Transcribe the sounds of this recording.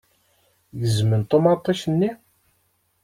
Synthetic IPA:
jəzmənt̪omɑt̪ˤːɑʃənːi

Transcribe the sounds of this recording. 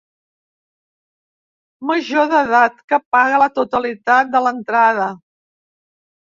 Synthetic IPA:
məʒoðəðat̪kəpaɣələt̪ut̪əlit̪at̪̚d̪ələnt̪ɾaðə

